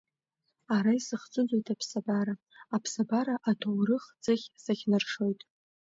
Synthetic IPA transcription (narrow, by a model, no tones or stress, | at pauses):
aɾaisɨχt͡sʼɨd͡zʷojtʰʼapʰsabaɾa | apʰsabaɾaʔatʰowrɨχd͡zɨχʲsaχʲnɨrʂo̞jtʼ